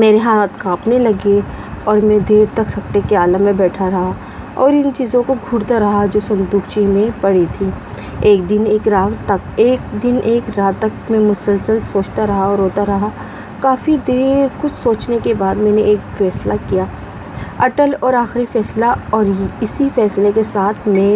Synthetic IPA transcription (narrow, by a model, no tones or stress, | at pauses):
meːɾeɦaːt̪kãːpnelɐɡeɔːɾmẽd̪eːɾt̪ɐksɐk̚t̪ekeaːlamẽbɛːʈʰaɾɐɦa | ɔːɾɪnt͡ʃiːzõkoɡʱʊɽt̪aɾɐɦad͡ʒoːsɐ̃md̪ʊkt͡ʃimẽpɐɽit̪ʰi | eːk̚d̪ɪneːkɾaːt̪ɐkeːk̚d̪ɪnʔeːkɾaːt̪ɐkmẽmʊsəlsəlsoːt͡ʃt̪aɾɐɦaɔːɾːoːt̪aɾɐɦa | kaːfid̪eːɾkʊt͡ʃʰsoːt͡ʃnekebaːd̪mɛ̃ːneʔeːkfɛːslakijaː | ɐʈəlɔːɾaːxɾifɛːslaɔːɾɪsifɛːslekesaːt̪ʰmẽː